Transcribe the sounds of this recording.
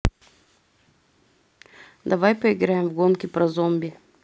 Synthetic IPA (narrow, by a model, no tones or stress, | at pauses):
d̪ɐvajpoiɡɾaɛmvɡonkʲipɾɐzɔmbʲi